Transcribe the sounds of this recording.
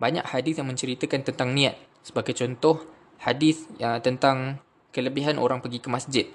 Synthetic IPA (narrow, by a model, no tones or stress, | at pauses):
baɲa̰khadiθjaŋmə̃ɲt͡ʃəɾit̪əkant̪ənt̪aŋnĩat̪̚ | səbaɡajt͡ʃɔnt̪ɔh | hadɪθt̪ənt̪aŋ | kələbiɦanʔo̰ɾaŋpəɡikəmasd͡ʒɪt̪̚